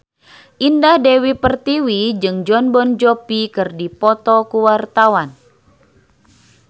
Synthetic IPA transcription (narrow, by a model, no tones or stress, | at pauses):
ʔindahdewipərt̪iwid͡ʒɨŋd͡ʒɔnbɔnd͡ʒɔpikɨrdipɔt̪ɔkuwart̪awan